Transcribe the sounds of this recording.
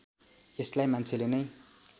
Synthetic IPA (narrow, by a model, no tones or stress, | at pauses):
eslajmant͡sʰelenʌj